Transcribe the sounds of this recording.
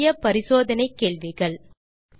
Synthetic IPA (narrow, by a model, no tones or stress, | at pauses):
jɐpɐɾɪsoːðɐnɐɪkːeːɭʋɪɣɐɭ